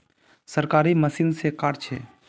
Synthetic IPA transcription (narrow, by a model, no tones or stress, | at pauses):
səɾkaːɾiməsiːnsekaɾt͡ʃʰeː